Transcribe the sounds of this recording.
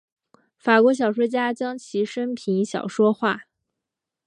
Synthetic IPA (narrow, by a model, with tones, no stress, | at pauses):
fa˨˩kwɔ˧˥ɕ̬jɑ˨˩ʊʂwɔ˥t͡ɕja˥t͡ɕjɑ˥ŋt͡ɕʰi˧˥ʂə˥npʰi˧˥nɕjɑ̰˨˩ʊʂwɔ˥xwa˥˩